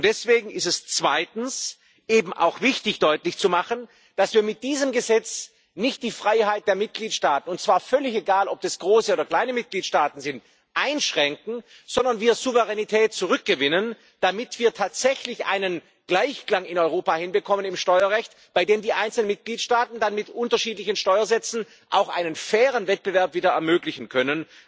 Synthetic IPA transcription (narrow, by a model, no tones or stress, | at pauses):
ʊntd̥ɛsv̥eːɡŋ̩ɪstɛst͡sv̥aɪtn̩s | ʔeːbm̩ʔa̰ʊxv̥ɪçtɪçd̥ɔʏtlɪçt͡sumaχən | d̥asv̥iːɐmɪt̚d̥iːzəmɡəzɛt͡s | nɪçt̚d̥iːfʁ̥aɪhaɪt̚d̥eːɐmɪt̚ɡ̥liːtʃtaːtn̩ʊnt̚t͡sv̥aːɐfœlɪçeɡaːlɔp̚d̥asɡ̥ʁoːsəoːdɐkl̥aɪnəmɪt̚ɡ̥liːtʃtaːtn̩zɪnt | ʔaɪnʃʁ̥ɛŋk̚ŋ̩ | z̥ɔndɐnviːɐzuvəʁɛnitʰɛːt̚t͡suʁʏk̚ɡ̥əvɪnən | d̥amɪtv̥iːɐtʰaːtz̥ɛçlɪçʔa̰ɪnən | ɡ̥laɪçklaŋɪnɔʏʁoːpahɪnbəkʰɔmənɪmʃtɔʏɐʁɛçt | b̥aɪdeːmdiːʔaɪnt͡sl̩ənmɪt̚ɡ̥liːtʃtaːtn̩danmɪtʔʊntɐʃiːtlɪçən̩ʃtɔʏɐzɛt͡sn̩ | ʔa̰ʊxʔa̰ɪnənfɛːʁənvɛt̚b̥əvɛɐpv̥iːdɐɛɐmøːɡlɪçn̩kʰœnən